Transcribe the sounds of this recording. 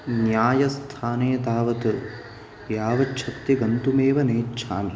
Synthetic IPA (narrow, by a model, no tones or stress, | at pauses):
njaːjɐst̪ʰaːneːt̪aːʋɐt̪ɐ | jaːʋɐt͡ʃːt͡ʃʰɐt̪jɐɡɐnt̪umeːʋɐneːtːt͡ʃʰa̰ːmi